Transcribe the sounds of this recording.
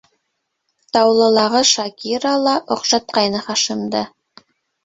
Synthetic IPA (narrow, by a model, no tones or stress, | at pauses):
t̪ɑwlˠɤ̆lˠɑʁɤʃɑkʲiɾalˠɑʔŏqʃɑt̪̚qɑjnɤχɑʃɤ̆md̪ɤ